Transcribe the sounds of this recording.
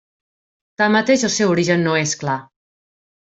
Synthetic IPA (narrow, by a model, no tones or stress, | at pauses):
t̪amət̪eʒəlˠsɛwuɾiʒənːoeskla